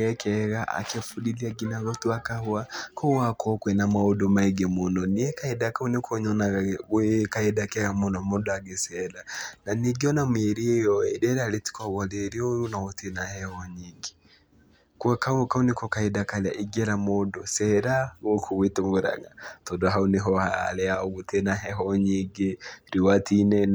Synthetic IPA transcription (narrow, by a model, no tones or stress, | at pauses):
ɛkʰɛɣaʔa̰kɛfudiðiaɡinaɣɔtuakahuakʰɔwakɔkwɛnamaɔdɔmaiɡɛmɔnɔniɛkaidakaunikʰɔɲɔnaɣekaidakɛɣamɔnɔmɔdɔaɡesɛɾananiɡiɔnameɾijɔɛdɛɾaleti̥kɔɣɔleɾiojunawɔtenahɛɣɔɲiŋɡi̥ | kuakaokaunikɔkaidakalaʔiɡɛɾamɔdɔsɛɾawokʰowetoŋɡoɾa̰ŋa̰tɔdɔɦauneɦɔhalɛaɔotenaɦɛɦɔɲiŋɡeɾiwatʰinɛn